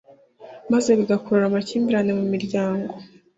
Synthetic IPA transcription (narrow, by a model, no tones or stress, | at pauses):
maze̞βiɡakoɾuɾamaciːmbiɾane̞mumiɾɟaːŋɡo̞